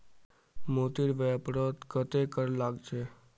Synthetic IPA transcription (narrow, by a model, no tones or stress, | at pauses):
mot̪iɾʋejəpɾot̪kət̪ekəɾlaɡt͡ʃʰe